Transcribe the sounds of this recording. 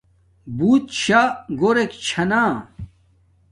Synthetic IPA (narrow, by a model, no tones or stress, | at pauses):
buːt̪ɕaɡoɾekt͡ɕʰɐnaː